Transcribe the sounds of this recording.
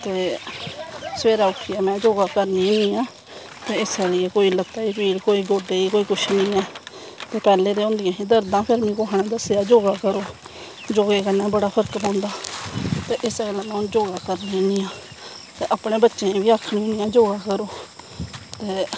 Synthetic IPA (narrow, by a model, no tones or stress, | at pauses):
t̪eː | səʋeːɾaːʊkʰːiɛːmɛ̃ːd͡ʒoːɡaːkəɾniːnĩːjãː | t̪eːɪsɛːlɪeːkoːiːlət̪ːaːiːpʰiːɽkoːiːɡoːɖeːiːkoːiːkʊʃnĩːɛː | t̪eːpɛːleːd̪eːʊ̃ːnd̪ɪjãːɦĩːd̪əɾd̪ãːpʰɪɾmĩːkoːɦɳẽːd̪əseaːd͡ʒoːɡaːkəɾoː | d͡ʒoːɡeːkənɛ̃ːbəɽaːpʰəɾəkbõːnd̪aːt̪eːʔɪseːlaːmɛ̃ːʊnd͡ʒoːɡaːkəɾniːniːãː | t̪eːʔəpɽeːbətːʃẽːbiːaːkʰɳiʊniːãːd͡ʒoːɡaːkəɾoː | t̪eː